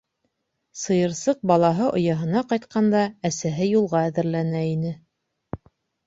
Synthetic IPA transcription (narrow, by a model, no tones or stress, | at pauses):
sɤ̆jɤ̆ɾsɤq̚bɑlˠɑɦɤʔŏ̰jɑɦɤ̆nɑqɑjt̪̚qɑnd̪ɑæsæɦɘjulˠʁɑæðɘ̆ɾlænæinɘ